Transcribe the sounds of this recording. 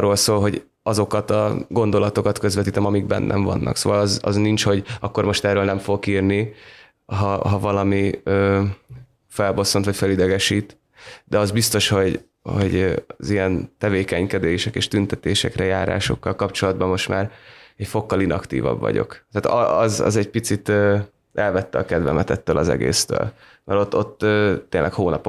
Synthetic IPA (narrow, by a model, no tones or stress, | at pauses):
rːoːlsoːlɦo̞ɟ | ɒzo̞kɒt̪ɒ̰ɡo̞nd̪o̞lɒt̪o̞kɒt̪kø̞zvɛt̪iːt̪ɛmɒmiɡbɛ̰nːʔɛ̰ɱvɒ̰nːʔɒ̰ksoːvɒlɒzɒ̰znint͡ʃho̞ɟɒkːo̞rmo̞ʃt̪ɛːrøːlnɛmfokiːrni | ɦɒɦɒvɒlɒmiøː | fɛlbo̞sːo̞nt̪ɒcfɛlid̪ɛɡɛʃiːt̪ | d̪ɛɒzbist̪o̞ʃho̞ɟ | ho̞̰ɟzijɛnt̪ɛveːkɛɲkɛd̪eːʃɛkeːʃt̪ynt̪ɛt̪eːʃɛkrɛjaːɾa̰ːʃo̞kːɒlkɒpt͡ʃo̞lɒd̪bɒmːo̞ʃt̪maːrɛcfo̞kːɒlinɒkt̪ḭːvɒ̰bvɒ̰ɟo̞̰kt̪aːt̪ɒɒzɒ̰zɛɟpit̪sit̪øː | ɛlvɛt̪ːɛɒkɛd̪vɛmɛt̪ɛt̪ːøːlʔɒzɛ̰ɡḛːst̪ø̰ːl | mɛɾo̞t̪ːo̞t̪ːøːt̪ːeːnlʔɛkhoːnɒpo